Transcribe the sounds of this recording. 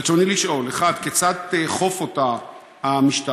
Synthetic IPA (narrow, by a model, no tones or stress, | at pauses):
t͡soniliʃʔo̞leχad̪kt͡sat̪eχo̞fo̞ta | hamiʃt̪a